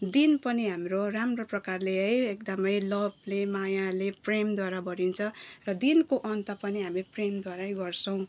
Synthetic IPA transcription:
d̪inpʌniɦamroramroprʌkarleɦʌjek̚d̪ʌmʌjlʌbʱlemajalepremd̪waɾabʌɽint͡sʰʌrʌd̪inkoʔʌnt̪apʌniɦamipremd̪waɾaɦʌjɡʌrsʌw̃

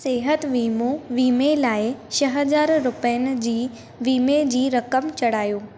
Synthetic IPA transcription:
seːɦət̪ʋiːmoʋiːmelaːɪt͡ɕɐɦɐzaːɾːʊpəənɪ̆d͡ʑiː | ʋiːmed͡ʑiːɾɐkəmt͡ɕɐɽ̤aːjoː

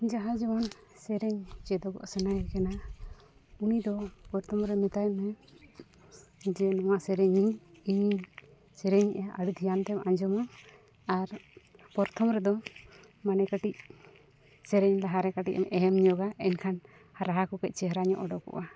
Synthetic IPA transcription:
d͡ʒaɦad͡ʒɔmɔn | sɛɾɛɲt͡ʃɛd̪ɔɡɔ̰ʔsɛnajɛkɛna | unid̪ɔpɔɾt̪ʰɔmɾɛmɛt̪ajmɛ | d͡ʒɛnɔwaʔsɛɾɛɲiɲ | iɲ | sɛɾɛɲʔɛʔaɽut̪ʰijant̪ɛmaɲd͡ʒɔmɔ | aɾpɔɾt̪ʰɔmɾɛd̪ɔ | manɛkaʈic̚ | sɛɾɛɲlaɦaɾɛkaʈic̚ɛmʔɛɛmɲɔɡaɛnkʰan | haɾaɦakɔkɛc̪̚ˀt͡ʃɛɦɾaɲɔ̰ʔɔɖɔkɔ̰ʔa

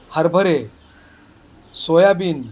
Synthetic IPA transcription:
həɾbʱəɾe | sojabiːn

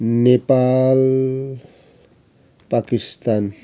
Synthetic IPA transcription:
nepal | pakist̪an

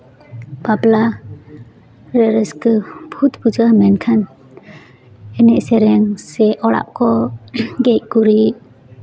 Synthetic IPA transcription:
papla | ɾɛɾɛskəbʱut̪bud͡ʒamɛnkʰan | ɛnɛʔsɛɾɛŋsɛʔɔɽa̰ʔkɔɡɛc̚kuɾiʔ

